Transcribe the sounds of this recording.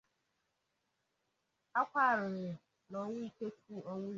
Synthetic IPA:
a˦kʷa˦˨ɾɪ˨ɾɪ˨ | nɔ˨˦ŋʷʊ˦i˦ke˦tʰu˦˨ɔ˦ŋʷʊ˦

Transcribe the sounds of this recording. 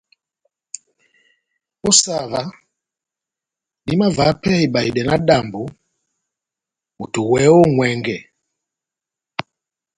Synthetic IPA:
ɔ˦sa˨βa˨ | ni˦ma˦va˨˦pʰɛ˦i˨ɓa˨i˨ɗɛ˨na˦ɗa˨mbu˨ | mu˨tʰu˨wɛ˦ɔ˦ŋwɛ˦ŋɡɛ˨

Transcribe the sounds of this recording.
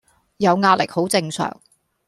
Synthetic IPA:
jɐ˨˧wŋaː˧t̚lɪ̰˨k̚ho˨˥wt͡sɪ˧ŋsœ̰ː˨˩ŋ

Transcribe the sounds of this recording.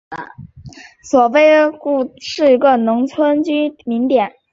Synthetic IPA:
swɔ˨˩we˥˧ɪku˥˩ʂɻ̩˥˩i˧˥ɡə˧nʊ˧˥ŋt͡sʰwə˥nt͡ɕy˥nmi˧˥ŋt̪jɛ˨˩˦n

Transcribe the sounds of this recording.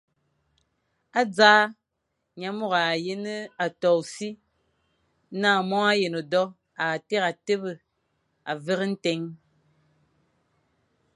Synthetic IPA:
a˦d͡zaː˦ | ɲa˨˦mo˦˨ɣa˨je˦nə˦a˨tɔ˨si˦ | naː˦˨mɔ˦a˦je˨no˨dɔ˦ | a˨te˦ka˨te˦bə˨ | a˨və˦ɣə˦n̩˦te˨˦ŋ

